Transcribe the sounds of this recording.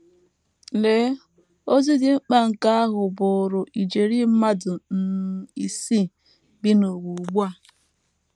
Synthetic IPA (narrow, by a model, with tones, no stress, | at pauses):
le˦ | o˦zi˦dɪ˨ŋ͡m̩˦k͡pa˦ŋ̩˨ka˦a˦ɦʊ˨bʊ˨ɾʊ˨ʔi˨d͡ʒe˨ɾi˦m̩˦ma˦dʊ˨n̩˨i˨si˦ | bi˦no˨ɡu˨ɡ͡bu˦a˦˨